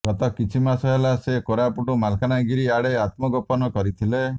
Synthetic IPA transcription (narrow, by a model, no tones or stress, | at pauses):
ɡ̥ɔt̪ɔkit͡ʃʰimasɔɦelasekoɾapuʈumalkʰanaɡiɾiaɽeat̪mɔɡɔpɔnɔkɔɾit̪ʰile